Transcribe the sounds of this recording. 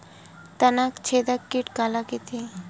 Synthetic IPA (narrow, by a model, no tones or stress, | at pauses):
t̪anakt͡ɕʰed̪akːiʈkalaket̪ʰe